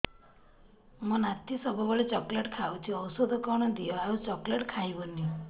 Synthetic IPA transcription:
mɔ̃nat̪isɔbʱɔbɔɭet͡ʃɔkleʈkʰawt͡ʃ̪ʰiɔwsɔd̪ʱɔkɔɽ̃ɔd̪ijɔaut͡ʃɔkleʈkʰajboni

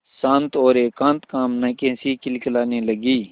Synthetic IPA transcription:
sãːnt̪oːɾeːkãːnt̪kaːmnɐkẽːsikɪlkəlaːneləɡiː

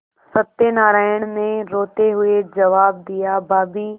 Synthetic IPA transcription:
sɐt̪enaːɾaːɪəɽ̃mẽɾoːt̪eɦʊed͡ʒɐʋaːb̚d̪ɪjabaːbiː

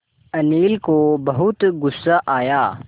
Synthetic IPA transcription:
ɐniːlkobɐɦʊt̪ɡʊsːaʔaːjaː

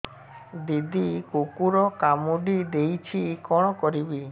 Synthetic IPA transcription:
d̪id̪ikokuɾɔkamuɖid̪ejt͡ʃʰikɔɽ̃ɔkɔɾibi

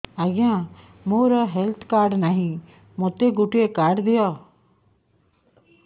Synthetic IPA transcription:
aɡɪjãː | moːɾaɦɛlt̪ʰkaːɾɖnaːɦĩː | mot̪eːɡʊʈɪeːkaːɾɖd̪ɪjaː

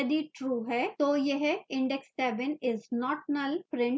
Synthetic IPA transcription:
ɐd̪iʈɾuːɦɛt̪oːjeɦɛɪ̃ɳɖɛksːɛːʋɛnɪznɔːʈnəlpɾɪ̃ɳʈ

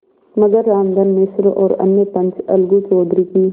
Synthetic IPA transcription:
mɐɡəɾːaːmd̪ənmɪsɾɔːɾɐ̰nːepɐ̃nt͡ʃɐ̰lɡũt͡ʃɔːd̪ɾikiː

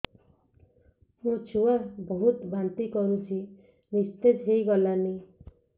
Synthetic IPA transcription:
hũt͡ʃʰuabɔɦut̪bant̪ikɔɾũt͡ʃʰi | nist̪edʱɦejɡɔlani

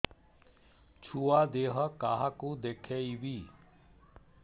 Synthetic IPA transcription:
t͡ʃʰuad̪eːɦəkaɦakũd̪ekʰeibiː

